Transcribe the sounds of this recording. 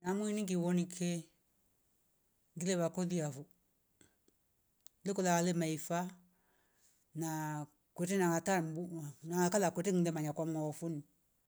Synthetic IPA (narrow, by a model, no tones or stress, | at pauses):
namuiniŋɡiwonikʰe | ŋɡileβakoliafu | lekulakalemaifa | na | kʷetenaŋataɾmbunaŋakalakʷetiŋlemaɲakwamŋɔfuni